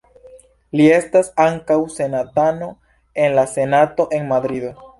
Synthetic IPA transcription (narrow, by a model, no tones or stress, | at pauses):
lie̞stasaŋkawse̞nat̪ano̞ | enlase̞nat̪o̞ʔe̞ŋmad̪ɾid